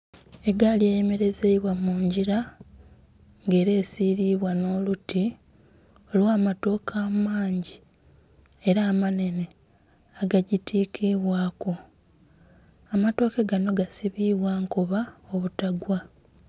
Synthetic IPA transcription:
e̞ɡaljeːjeme̞ɾe̞zeiβwamuːɲɟiɾa | ŋɡe̞ːɾe̞ːsiːɾiβwano̞ːluti | olwaːmato̞ːkʰaːmaːɲɟi | e̞ɾaːmane̞ne̞ | aɡaɟitʰiːkʰiβwaːko | amato̞ːkeɡano̞ɡasiβiːβwaŋkuβaoβutaɡwa

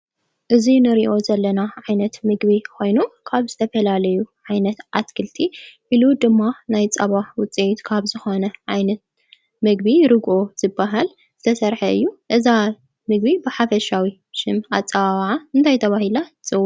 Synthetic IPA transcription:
ʔɨzinɨɾiʔo̞zɐlːɐnaʕajnɐt̪mɨɡβikʰo̞jnukʰaβzɨt̪ʰɐfɐlalɐjuʕajnɐt̪ʔat̪kʰɨlt̪ʰiʔilud̪ɨmːanajt͡sʼɐβaħwʊt͡sʼijt̪kʰaβzɨxo̞nɐʕajnɐt̪̚ | mɨɡ̚biɾɨɡʔo̞z̥ɨbːaɦal | zɨt̪ʰɐsɐɾħɐɨ̰jːuʔɨza | mɨɡ̚bibɨħafɐʃawi | ʃɨmat͡sʼɐβaβʕaɨnt̪ʰajt̪ʰɐβahilat͡sʼɨwː

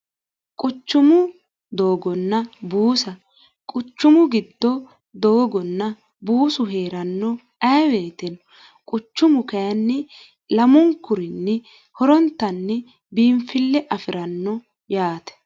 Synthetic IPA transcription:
kʼʊt͡ʃːʊmʊ | d̪oːɡɔnːɐbuːsɐ | kʼʊt͡ʃːʊmʊɡɪd̪ːɔ | d̪oːɡɔnːɐ | buːsʊɦe̞ːɾɐnːɔ | ɐjwe̞ːt̪ɛnɔ | kʼʊt͡ʃːʊmʊkɐjɐnːɛ | lɐmɔŋkʊɾɪnːɛ | hɔɾɔnt̪ːɐnːɛ | biːmfɪlːɛʔɐfɪɾɐnːɔ | jaːt̪ɛ̥

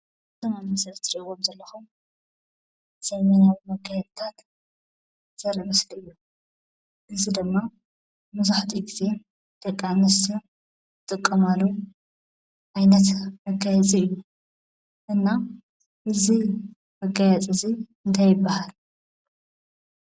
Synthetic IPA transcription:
ɨt̪omajmɐsɾɐt̪ʰɨɾʼiwomzɐlːɐxum | z̥ɐjmɐnawimɐɡajɛd̪t̪ʰat̪ | z̥ɐɾʔimɐsliɨjːu | ʔɨzid̪ɨmːa | mɨzuħt̪ʰiɡize̞ | t̪ʼɐkʼːamɐsɨ | ɨt̪ʼɨkʼːɐmalu | ʔajnɐt̪mɐɡajɛt͡sʼiɨjːu | ʔɨnːa | ʔɨzi | mɐɡajɛt͡sʼɨzi | ɨnt̪ʰajɪbːahal

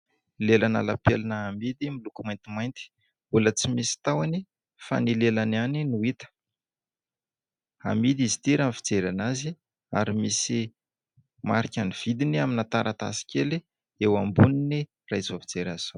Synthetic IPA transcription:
lelana̰lapelinəamid̪imilukumajnt̪imajnt̪i̥ | ulət͡simisi̥t̪awani | fa̰nilelananinuit̪ə̥ | a̰mid̪izi̥t̪iɾanfi̥d͡zeɾanazi | a̰ɾimisi | maɾikʲaniv̥id̪iniaminat̪aɾʔat̪a̰si̥kʲeli | ewambunini | rajzafi̥d͡zeɾaz̥aw

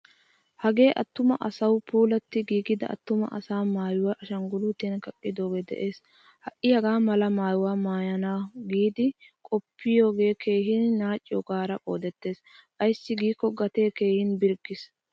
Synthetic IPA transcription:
hɐɡe̞ːʔɐt̪ːʊmɐʔɐsɐwpuːlɐt̪ːɪɡiːɡɪd̪ɐ̰ʔɐ̰t̪ːʊmɐ̰ʔɐ̰saːmaːjʊwaʔʃɐŋɡʊlut̪ːenkɐkʼːɪd̪o̞ːɡed̪ɛ̰ʔe̞ːs | hɐʔɪhɐɡaːmɐlɐmaːjʊwaːmaːjɐnaɡiːd̪ɪ | kʼɔpʰːɪjo̞ːɡe̞ːkʰe̞ːɦɪnnaːt͡ʃʼːɪjɔɡaːɾɐkʼo̞̰ːd̪ɛt̪ːe̞ːs | ʔɐjsːɪɡiːkːɔɡɐt̪e̞ːke̞ːhɪnbɪɾɡɪs

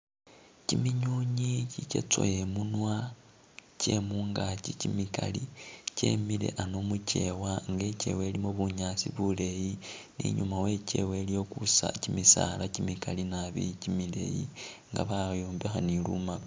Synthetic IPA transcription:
cimiɲuɲicicḛt͡so̰jemunwa | cemuːŋɡacicimikalice̞̰mile̞̰ʔanomuce̞waŋɡe̞ce̞̰we̞limoβuɲaːsiβule̞jinḭɲumawe̞ce̞̰we̞lijo̞kusa̰cimisa̰lacimikalinaβḭcimile̞̰jḭŋɡa̰βajoːmbe̞xaniluma

